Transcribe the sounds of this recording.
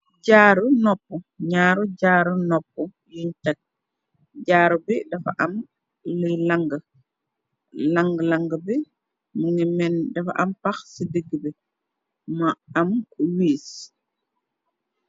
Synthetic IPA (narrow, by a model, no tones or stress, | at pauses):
ɟaːɾunɔpːuɲaːɾuɟaːɾunɔp̚ːu | juɲtat̚ | ɟaːɾubidɐfa̰ʔɐm | lilaŋɡ | laŋɡlaŋɡbi | muŋimɛndɐfaʔɐmpaxsidəɡbi | maɐmkuwiːs